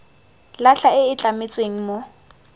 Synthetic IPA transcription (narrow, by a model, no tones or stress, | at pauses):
laɬaɪɪt͡ɬʼamɪt͡sʼweŋ̩mo